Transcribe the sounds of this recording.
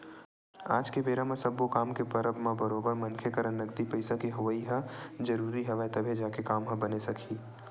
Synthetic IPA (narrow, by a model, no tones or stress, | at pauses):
a̰ːd͡ʒkebeːɾamẽsɐbːokaːmkepɐɾəbmãbɐɾoːbəɾmɐ̃nkʰekəɾənːɐɡd̪ipɐɪsakiɦʊʋəiɦɐ̃d͡ʒɐɾuːɾiɦɐʋat̪ɐbʱed͡ʒaːkekaːmɦɐ̃bɐnesɐkʰiː